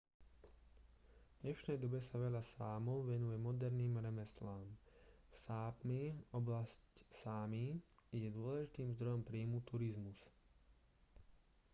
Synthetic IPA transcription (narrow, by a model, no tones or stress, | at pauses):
d̪ɲɛʃnɛjd̪ɔbɛsaʋɛʎasaːmɔʊʋɛnujɛmɔd̪ɛɾniːmɾɛmɛslaːmfsaːpmiɔblascsaːmijɛd̪ʊɔlɛʒit̪iːmzd̪ɾɔjɔmpɾiːmut̪uɾizmus